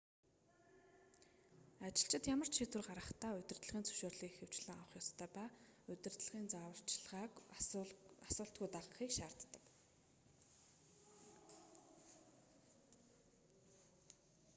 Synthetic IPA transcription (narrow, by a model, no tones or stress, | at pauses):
at͡ɕɪ̆ɬt͡ɕɪ̆t̪jamə̆r̥t͡ɕʃit̪wɘ̆rɢaɾə̆χt̪aːɵt̪ɪ̆rt̪ɮ̆ʁiːnt͡sʰɵ̥ʃoːrɮiːxew̥t͡ɕɮɘ̆ŋawə̆χjɔst̪ʰœːpaːɵt̪ɪ̆rt̪ɮ̆ʁiːnt͡sawə̆r̥t͡ɕɮ | asʊːɬt̪̚ɡujt̪aʁə̆χiːkʃaːr̥t̪ːə̥̆k